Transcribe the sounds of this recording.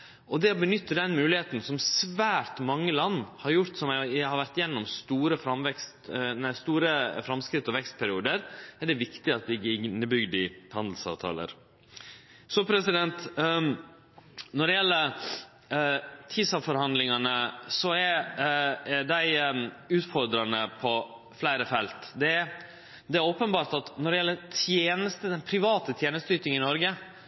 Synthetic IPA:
ʔɔd̪ɛɔbənʏt̪ːəɖ̪ɛnmʉːlɪheːt̪n̩sɔmsʋæːɾt̪mɑŋːəlɑnːhɑɾjʊɾt̪sɔmæhɑɾʋæɾt̪ɪjɛnːɔmst̪uːɾəfɾɑmʋɛkst̪næɪst̪uːɾəfɾɑmskɾɪt̪ːɔʋɛkst̪̚pʰæɾɪuːd̪əɾɛɖɛʋɪkt̪ɪɑt̪d̪ɪɡɪnːəbʏɡd̪ɪhɑnd̪l̩sɑ̰ːʋt̪ʰɑ̰ːlə̰ɾ | sɔpʰɾɛsɪd̪ɛnt̪ | nɔɖɛjɛlːə | t̪ʰisɑʋfɔɾhɑnd̪lɪŋɑnəsɔɛɾ | d̪æɪʉːt̪fɔɾd̪ɾɑnəpʰɔ | flæɪɾəfɛlt̪d̪ɛ | d̪ɛæɾoːpənbɑːɾʈ̪ɑt̪nɔɖɛjɛlːət̪ʰjeːnəst̪əd̪ɛnpʰɾɪʋɑːt̪ət̪ʰjeːnəst̪əyːt̪ɪŋəɪnɔɾɡə

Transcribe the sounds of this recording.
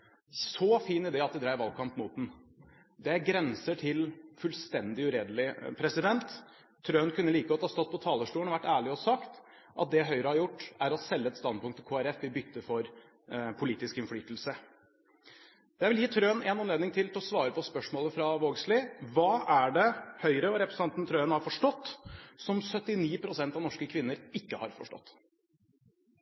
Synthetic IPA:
sɔfiːnɪd̪ɛːɑt̪̚d̪ɛd̪ɾæɪəɾʋɑlkʰɑmpmuːt̪̚d̪n̩ | d̪ɛæɾɡɾɛnsəʈʰɪlfʉlst̪ɛnd̪ɪʉɾeːd̪əlɪpʰɾɛsɪd̪ɛnt̪ʰː | ɾøːnkʰʉnːəliːkəɔt̪ːhɑːst̪ɔt̪̚ːpʰɔt̪ʰɑːləʂʈuːəɳɔʋæʈːæːɭɪɔsɑkt̪ | ʔɑ̰t̪̚d̪ɛɦœʏɾəhɑɾjʊʈːæɾɔsɛlːəɛt̪st̪ɑnd̪̚pʊŋkt̪ʰːɪkʰoːæɾɛfɪbʏt̪ːəfɔɾ | pʰʊliːt̪ɪskɪnfɽyːt̪lsə | d̪æʋɪljiːt̪ʰɾøːnɛnɑnleːd̪nɪŋt̪ʰɪlt̪ʰlɔsʋɑːɾəpʰɔspœʂmoːləfɾɑʋoːɡslɪʋɑːʔæɖɛhœʏɾəɔɾɛpɾɛsnɑnt̪n̩t̪ʰɾøːənhɑɾfɔʂʈɔt̪ːsɔmsœt̪ːɪniːpʰɾʊsɛnt̪ɑʋnɔʂkəkʰʋɪnːəɾɪkːəhɑɾfɔ̰ʂʈɔ̰t̪ː

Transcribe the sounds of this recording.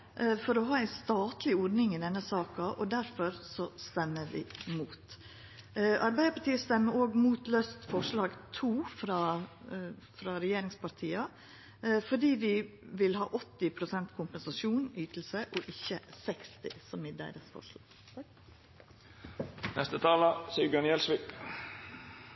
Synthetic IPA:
fɔɾɔɦɑːæɪst̪ɑːt̪lɪɔɖnɪŋɪd̪ɛnːəsɑːkɑʔɔd̪æɾfɔɾsɔst̪ɛmːəɾʋɪ̰muːt̪ | ʔɑɾbæɪəpʰɑʈ̪iːəst̪ɛmːəɾoːɡmuːt̪løːst̪fɔʂɭɑːɡt̪ʰuːfɾɑː | fɾɑɾɛjeːɾɪŋspɑɾt̪ʰiːɑ | fɔɖiːʋɪʋɪlhɑ̰ːʔɔt̪ːɪpʰɾʊsɛnt̪kʰʊmpɛnsɑsuːnyːt̪l̩səʔɔʔɪçːəsɛkst̪ɪsɔmɪd̪æ̰ɪd̪əsfɔ̰ʂlɑ̰ːɡ̥ | nʔɛst̪ət̪ʰɑːləsɪɡɑnɪɛlsʋiːk

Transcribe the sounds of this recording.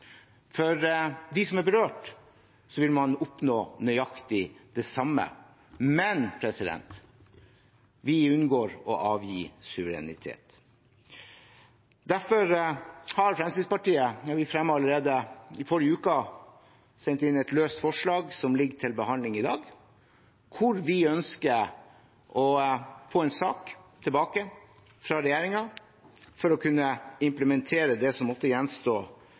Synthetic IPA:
fɔɾd̪ɪsɔmæbəɾøːʈ | sɔʋɪlmɑnʊpnoːnœʏɑkt̪ɪd̪̥ɛsɑmːə̰ | mɛnpʰɾɛsɪd̪ɛ̰nt̪ | ʋɪʉnɡoːɾɔʔɑːʋjiːsʉʋəɾɛ̰nɪ̰t̪ʰḛːt̪ | d̪æɾfɔɾhɑɾfɾɛmsispɑʈiːəɑʋɪfɾɛmːəɑləɾeːd̪əɪfɔɾjəʉːkɑ | sɛnt̪ɪnːɛt̪løːst̪fɔʂɭɑːɡsɔmlɪɡːəʈʰɪlbəhɑnd̪lɪŋɪd̪ɑːɡ | kʰʊɾʋɪœnskə | ʔɔfoːɛnsɑːkt̪ʰəlbɑːkə | fɾɑɾɛjeːɾɪŋɑ | fɔɾɔkʰʉnːəɪmpləmɛnt̪ʰeːɾəd̪ɛsɔmɔft̪əjɛnːst̪oː

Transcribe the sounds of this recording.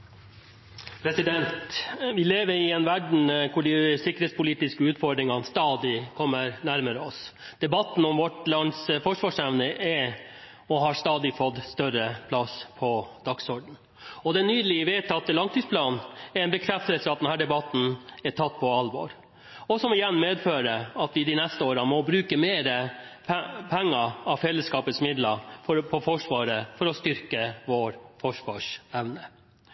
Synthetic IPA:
pʰɾɛsɪd̪ɛnt̪ʋɪleːʋəɾɪɛnʋæɖɳ̩kʰʊɖɪsɪkːəɾeːt̪spʊliːt̪ɪskəʉːt̪fɔɖ̪ɾɪŋɑnst̪ɑːd̪ɪkʰɔmːəɾnæɾməɾəɔs | d̪̥ɛbɑt̪ːn̩ɔmʋɔʈlɑnsfɔʂʋɑːʂnæʋnəʔɛ | ɔɦɑɾst̪ɑːd̪ɪfɔt̪ːst̪œɾəpʰlɑspʰɔd̪̥ɑksɔɖɳ̩ | ɔd̪ɛnːyːd̪əlɪəʋeːt̪ʰɑt̪ːəlɑŋt̪iːspʰlɑːnɛɾɛnbəkʰɾɛft̪əlsəɑt̪̚d̪ɛnhæːɖɛbɑt̪n̩ɛʈʰɑt̪ːpʰɔɑlʋɔ̰ɾ | ɔsɔmɪjɛnːmeːd̪føːɾəɑt̪ʋɪd̪ɪnɛst̪əoːɾɑmɔbɾʉːkəmeːɾə | pʰɛŋːəɑfɛlːəskɑːpət̪smɪd̪lɑfɔpʰɔfɔʂʋɑːɾəfɔɾɔst̪ʏɾkəʋoːɾfɔʂʋɑːʂɛʋnə

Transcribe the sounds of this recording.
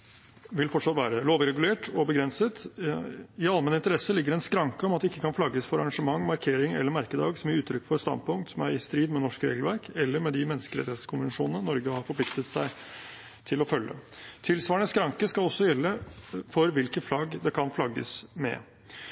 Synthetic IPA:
ʋɪlfɔʈʂɑt̪ʋæːɾəloːʋɪɾɛɡʉleːʈɔbəɡɾɛnsət̪ | ɪɑlmɛnəɪnt̪əɾɛsəlɪɡːəɾɛnskɾɑŋkəɔmɑt̪̚ɛɪkːəkʰɑnflɑɡːəsfɔɾɑɾɑŋʂəmɑŋːmɑɾkʰeːɾɪŋɛ̰lːəɾmæɾkəd̪ɑ̰ːɡsɔmjæɾʉːt̪ʰɾʏkːfɔɾst̪ɑ̰nd̪̚pʊŋkt̪sɔmæɾɪst̪ɾiːd̪mɛnɔʂkɾḛːɡəl̩ʋæɾkɛlːəɾmɛd̪ɪmɛnːəskəɾɛ̰t̪heːt̪əskʰʊnʋənʂuːnənənɔɾɡəhɑɾfɔpʰlɪkt̪ət̪sæɪ | t̪ʰɪlɔfœlːə̰t̪ʰɪlsʋɑːəɳəskɾɑŋkəskɑlɔsːɔjɛlːəfɔɾʋɪlkəflɑɡːd̪ɛkʰɑnflɑɡːə̰smɛ̰

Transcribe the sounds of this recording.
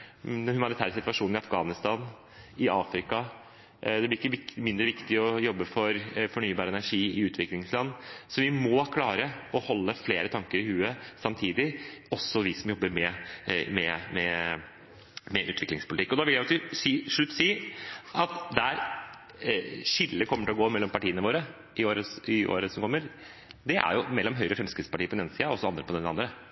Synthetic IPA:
hʉmɑnɪt̪ʰæːɾəsɪt̪ʋɑʂuːnɪɑfɡɑːnɪst̪ɑːn | ɪʔɑːfɾɪkɑ | d̪ɛblɪɾɪkːəʋɪmɪnd̪ɾəʋɪkt̪ɪɔjɔbːəfɔɾfɔɳyːbɑːɾəɛnæʂiːɪʉːt̪ʰʋɪklɪŋslɑnːsɔʋɪmɔːkʰlɑːɾəɔhɔlːəfleːɾət̪ʰɑŋkəɾɪhʉːəsɑmt̪ʰiːd̪ɪɔsːɔʋɪsɔmjɔbːəɾmɛmɛmɛ | mɛʔʉːt̪ʰʋɪklɪŋspʊlt̪ɪkːɔd̪ɑʋɪljæɪɑksɔsiːʂɭʉt̪ːsiːʔɑt̪d̪ɛæɾ | ʂɪlːəkʰɔmːəʈɪlɔɡoːmɛlːɔmpɑʈiːənəʋoːɾə | ɪoːɾəɪʔo̰ːɾəsɔmkʰɔmːəɾ | d̪ɛʔæ̰ɾjʊmɛlːɔmɦœʏɾəɔfɾɛmskɾɪt̪spɑʈiːpʰɔd̪ɛneːnsiːɑɔsːɔɑnd̪ɾəpɔd̪ɛnɑnd̪ɾə

